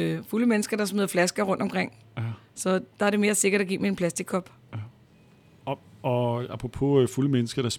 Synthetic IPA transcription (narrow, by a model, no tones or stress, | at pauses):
fuləmenəsɡ̥ɐd̥ɑ̈smeðˠɐflæsɡ̥ɐʁɔ̽nd̥ɒ̽mkʁeŋ̰ | sɒ̽d̥ɑ̈æɐɾe̝me̝ːɐse̝ɡ̥ɐɾ̥æɡḭːmie̝npʰlæsd̥iɡ̚kʰːɒ̽b̥ | ɒɑpʰʁopʰo̝fuləmenəsɡ̥ɐɾ̥ɑs